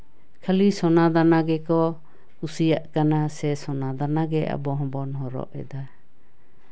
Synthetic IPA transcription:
kʰəlisɔnad̪anaɡɛkɔ | kusijaʔkanasɛsɔnad̪anaɡɛʔa̰bɔɦɔ̃bɔnɦɔɾɔ̰ʔɛ̰d̪a

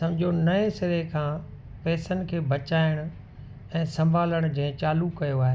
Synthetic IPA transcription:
sɐ̃md͡ʑʱonɐẽsɪɾekʰãː | pɛːsənɪ̆kʰeːbʱɐt͡ɕaːɪɽ̃ʊ | ɛ̃ːsɐ̃mbʱaːləɽ̃ʊ̆d͡ʑɐ̃ːɦɪ̃t͡ɕaːlukɐjoaːɦe

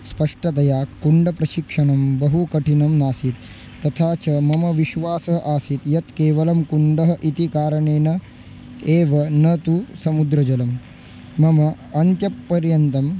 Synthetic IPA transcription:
spɐʂʈɐt̪ɐjaːkːuɳɖɐpɾɐʃikʂɐɳɐmbɐɦukɐʈʰinɐmnaːsit̪̚ː | ɐt̪ʰaːt͡ʃɐmɐmɐʋiʃʋaːsɐɦɐʔaːsit̪jɐt̪keːʋɐlɐmkuɳɖɐɦɐʔit̪ikaːɾɐɳeːnɐ | eːʋɐnɐt̪usɐmud̪ɾɐd͡ʒɐlɐmː | ɐmɐ | ɐnt̪jɐpːɐɾjɐnt̪ɐm

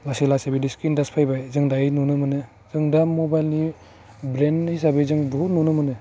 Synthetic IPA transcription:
laselasabidiskindaspʰajbajzɯŋdainunɯmɯnɯ | zɯŋdamobajlni | bɾenhis̬abezɯŋbɯnunɯmɐnɯ

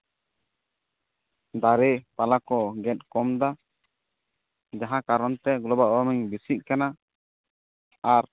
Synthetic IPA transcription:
d̪aɾɛpalakɔɡɛt̪̚kɔmd̪a | d͡ʒaɦãkaɾɔnt̪ɛɡlɔbalɔɾɔmiɲbisiʔ̚kana | aɾ

